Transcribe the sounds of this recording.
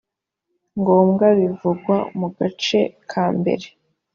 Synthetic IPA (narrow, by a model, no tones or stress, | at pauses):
ŋɡo̞ːmɡaβivuɡwamuɡat͡ʃe̞kʰaːmbe̞̰ɾe̞